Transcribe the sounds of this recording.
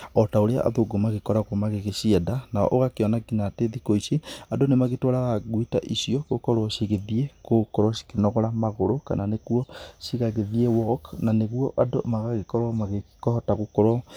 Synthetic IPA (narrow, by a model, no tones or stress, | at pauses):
ɔtaoɾea̰ʔa̰ðoɡomaɣekɔɾaɣwɔmaɣeɣeʃiɛdanaɔ̰ʔoɣakeɔnaɡinateðikoiseadonemaɣetoɾaɣaɣwitaʔisiɔkokɔɾwɔɕiɣeðiekokɔɾɔʃi̥kenɔɣɔɾamaɣoɾoka̰naneɣuɔʃiɣaɣeðiɛwɔknaneɣuɔʔadomaɣaɣekɔɾwɔmaɣekɔhɔtaɣokɔɾwɔ